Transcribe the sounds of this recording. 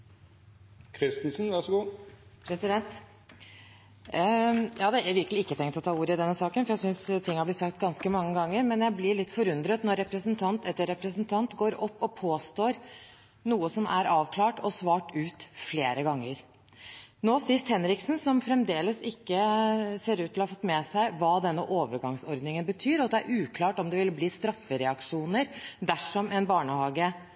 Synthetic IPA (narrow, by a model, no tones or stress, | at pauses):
kʰɾɪst̪ɪsn̩ʋɑʂɔɡuːpʰɾɛsɪd̪ɛnt̪ | jɑːd̪ɛæɾʋɪɾkəlɪɪkːət̪ʰɛŋkt̪ɔt̪ʰɑːuːɾəɪd̪ɛnːəsɑːkənfɔɾjæɪsʏnst̪ʰɪŋːhɑblɪt̪sɑkt̪ɡɑnskəmɑŋːəɡɑŋːəɾmɛnjæɪblɪɭɪt̪ːfɔɾʉnd̪ɾət̪nɔɾːɛpɾəsənt̪ʰɑnt̪ʰɛt̪ːəɾɛpɾəsənt̪ʰɑnt̪ɡoːɾɔpːɔpʰoːst̪oːɾ | nuːəsɔmʔæ̰ɾɑːʋkʰlɑːʈɔsʋɑːʈʉːt̪fleːɾəɡɑŋːəɾ | noːsɪst̪hɛnɾɪksn̩sɔmfɾɛmd̪eːləsɪkːəseːɾʉːt̪ʰːɪlɔhɑfɔt̪ːmɛːsæɪʋɑːd̪ɛnːəʔoːʋəɾɡɑŋsɔɾd̪nɪŋənbət̪ʰyːɾɔɑt̪̚d̪ɛæɾʔʉːkʰlɑːʈɔmd̪ɛʋɪlbliːst̪ɾɑfːəɾɛɑkʂuːnəɾd̪æʂɔmɛnbɑːɳəhɑːɡə